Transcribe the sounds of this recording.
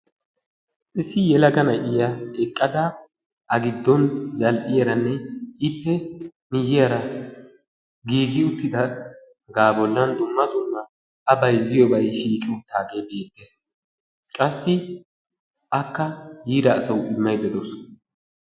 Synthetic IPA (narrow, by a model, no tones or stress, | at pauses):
ʔɪsːɪjɛlɐɡɐnɐʔʼɪjɐɛkʼːɐd̪a | ɐɡɪd̪ːɔnzɐlʔʼɪjɐɾɐnːɛɪpːɛmɪjːɪjɐɾɐ | ɡiːɡɪʊt̪ːɪd̪ɐ | ɡaːbɔlːɐnd̪ʊmːɐd̪ʊmːɐ | ɐbɐjzɪjɔbɐjʃiːkʼɪwʊt̪ʰaːɡe̞ːbe̞ːt̪ːes | kʼɐsːɪ | ʔɐkːɐjiːd̪ɐːsɐwɪmːɐjd̪ɛd̪ɔs